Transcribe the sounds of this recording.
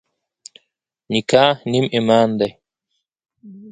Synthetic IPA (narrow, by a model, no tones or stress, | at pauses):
nikʰaːnimimaːnd̪ɐ